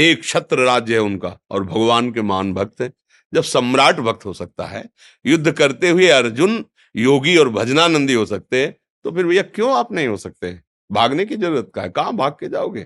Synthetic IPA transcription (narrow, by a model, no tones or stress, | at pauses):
eːkʃɐt̪ɾəɾaːd͡ʒjəɦɛʊnka̰ɔ̰ːɾbʱɐɡʋaːnkemaːnbʱɐk̚t̪ɦɛː | d͡ʒɐbsɐmɾaːʈʰbʱɐk̚t̪ɦosɐk̚t̪a̰ɦɛ̰ː | jʊd̪ʱːkɐɾt̪eɦʊeɐɾd͡ʒʊn | joːɡiɔːɾbʱɐd͡ʒnanə̃nd̪iɦosɐk̚t̪eɦɛ̃ | t̪opʰɪɾʋɐjakjõːaːpnɐɦĩɦosɐk̚t̪eɦɛ̃ː | bʱaːɡnekid͡ʒɐɾuːɾət̪̚kaɦɛkɐɦãbʱaːɡ̚ked͡ʒaːoːɡeː